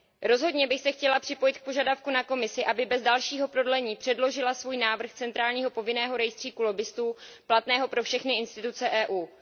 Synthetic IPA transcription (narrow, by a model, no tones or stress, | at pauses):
ɾo̞zɦo̞dɲɛbɪxsɛxcɛlapr̥ɪpo̞jɪt̪̚k̚po̞ʒadafkunako̞mɪsɪʔabɪbɛzdalʃiːɦo̞pɾo̞dlɛɲiːpr̥ɛdlo̞ʒɪlasvuːjnaːvr̩xt͡sɛnt̪ɾaːlɲiːɦo̞po̞vɪnɛːɦo̞ɾɛjst̪r̥iːkulo̞bɪst̪uː | plat̪nɛːɦo̞pɾo̞fʃɛxnɪʔɪnst̪ɪt̪ut͡sɛʔɛːʔuː